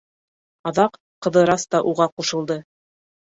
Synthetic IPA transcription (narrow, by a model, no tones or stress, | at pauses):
ɑðɑq | qːɤ̆ðɤ̆ɾɑst̪ɑʔuʁɑquʃɤ̆lˠd̪ɤ